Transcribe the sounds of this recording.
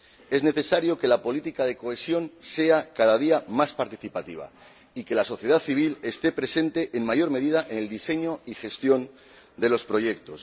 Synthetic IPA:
e̞zne̞θe̞saɾjo̞ke̞lapo̞lit̪ikaðe̞ko̞e̞sjo̞nse̞akaðaðiamaspaɾt̪iθipat̪iβ̞a̰ | ike̞laso̞θje̞ð̞aθiβile̞st̪e̞pɾe̞se̞nt̪e̞ʔːŋmaʝo̞ɾme̞ðið̞aʔene̞ld̪ise̞ɲo̞ixe̞st̪jo̞n | d̪e̞lo̞spɾo̞ʝe̞k̚t̪o̞s

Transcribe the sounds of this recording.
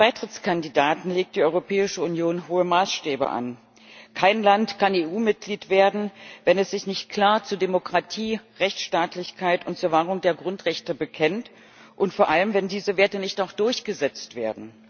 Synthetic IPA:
b̥aɪtʁ̥ɪt͡skʰandidaːtn̩leːk̚td̥iːɔʏʁopʰɛːɪʃəunjoːnɦoːəmaːsʃtɛːbə̰ʔa̰n | kʰaɪnlantkʰaneːʔuːmɪt̚ɡ̥liːtv̥eːɐdn̩vɛnɛsz̥ɪçnɪçt̚kʰl̥aːɐt͡suːɐdemokʁ̥atʰiːʁɛçt͡sʃtaːtʰlɪçkʰaɪtʊnt̚t͡suːɐvaːʁʊŋdeːɐɡʁʊntʁɛçtəbəkʰɛnt | ʔʊntfoːɐʔaləmvɛndiːzəveːɐtənɪçtaʊxd̥ʊɐçɡ̥əzɛt͡stv̥eːɐdn̩

